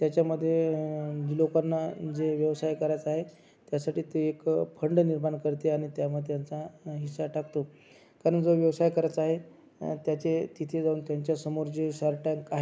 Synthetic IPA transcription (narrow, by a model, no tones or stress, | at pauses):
t̪jat͡ɕjaməd̪ʱːjed͡ʑilokanːad͡zeʋjəʋsajkəɾajt͡saɦe | t̪jasaʈiːt̪eekpʰəɳɖniɾmaɳkəɾt̪eaɽ̃it̪jaməd̪ʱːjant͡saɦisːaʈakt̪o | kaɾəɳd͡zoʋjəʋsajkəɾat͡saɦe | t̪jat͡set̪it̪ʰed͡zauːnt̪jaɲt͡ɕjasəmoɾd͡ʑeɕaɾʈaŋkaɦe